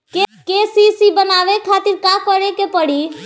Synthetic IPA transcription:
kekesisibənaʋekʰat̪iɾkakɔɾekepəɽi

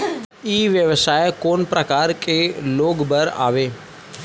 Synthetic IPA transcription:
iːʋjəʋsaːjekoːnpɾəkaːɾkeloːɡbəɾa̰ːʋeː

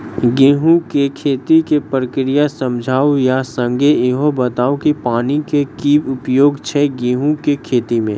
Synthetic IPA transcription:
ɡẽːɦũkekʰeːt̪ikepɾəkɾijasɐ̃md͡ʒʱaːojasə̃ŋɡeɪɦõbɐt̪aːokipaːnikekiːbʊpjoːɡt͡ʃʰɛɡẽːɦũkekʰeːt̪imḛ̃ː

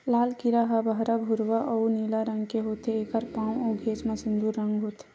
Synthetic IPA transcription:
laːlkiɾaɦɐbɐɦɾabʱʊɾʋaʔouniːlaɾɐ̃ŋɡkeɦoːt̪ʰeeːkəɾpãːwoɡʱeːt͡ʃmɐsɪ̃nd̪uɾːɐ̃ŋɡɦot̪ʰe

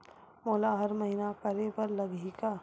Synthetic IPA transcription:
moːlaɦɐɾmɐɦinakɐɾepɐɾlɐɡika

